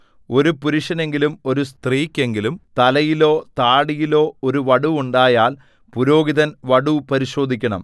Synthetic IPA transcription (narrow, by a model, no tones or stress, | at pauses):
o̞ɾupuɾuʂɐne̞ŋɡilumo̞ɾust̪riːkʲːe̞ŋɡilumt̪ɐlɐjilo̞ːt̪aːɽijilo̞ːoɾuʋɐɽuuɳɖaːjaːl | puɾo̞ːɡiðɐnʋɐɽupɐɾiɕo̞ːd̪ʱikʲːɐɳɐ̰m